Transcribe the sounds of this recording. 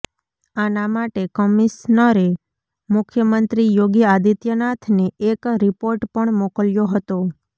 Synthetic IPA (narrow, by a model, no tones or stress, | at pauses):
anamaʈekɔmisnəɾe | mʊkʰjəmənt̪ɾijoɡjad̪it̪jənat̪ʰneekɾipoɾʈpəɳmokəljoɦət̪o